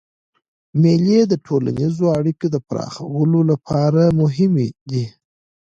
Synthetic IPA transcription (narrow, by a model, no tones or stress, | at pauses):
meled̪əʈʰola̰nizoaɽikod̪əpɾɑ̰xawəlolapʰɑɾamʊɦɪmed̪i